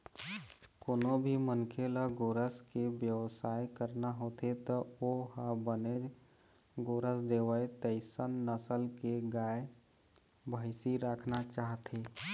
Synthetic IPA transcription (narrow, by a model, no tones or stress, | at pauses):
koːnõbʱimənkʰeləɡoːɾəskebjəʋsaːekəɾnaɦoːt̪et̪ɔoɦəbəned͡ʒ | ɡoːɾəsd̪eːʋəet̪əɪsənːəsəlkeɡaːe | bʱəɪsiɾakʰnat͡ʃaːɦt̪ʰeː